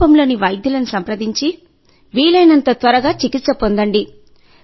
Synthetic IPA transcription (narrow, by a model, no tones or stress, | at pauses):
ɐmlo̞ːniʋɐjd̪jɐlɐnusɐmpɾɐd̪iɲt͡ʃi | ʋiːɭɐjnɐnt̪ɐt̪ʋɐɾɐɡaːt͡ʃikit̪sɐpond̪ɐɳɖi